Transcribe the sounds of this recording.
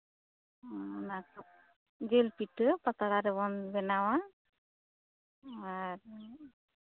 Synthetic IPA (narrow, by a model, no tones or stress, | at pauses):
nak | ɡelpiʈɯpat̪aɾaɾebɔnbɛnawa | aɾ